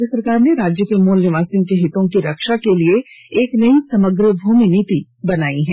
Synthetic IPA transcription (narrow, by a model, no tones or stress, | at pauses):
d͡ʒəsɐɾkaːɾneɾaːd͡ʒjəkemoːlnɪʋaːsijõkeɦɪt̪õkiɾɐkʃakelieeːknɐisɐməɡɾəbʱuːminiːt̪i | bɐnaːiɦɛ̃ː